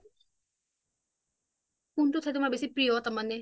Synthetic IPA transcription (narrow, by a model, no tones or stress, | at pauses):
kuntʊtʰajtʊmabesipɹijɔtamanɛ